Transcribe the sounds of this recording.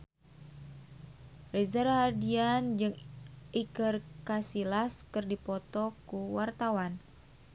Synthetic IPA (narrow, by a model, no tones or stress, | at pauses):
rezarhadiand͡ʒɨŋikərkasilaskɨrdipɔt̪ɔkuwart̪awan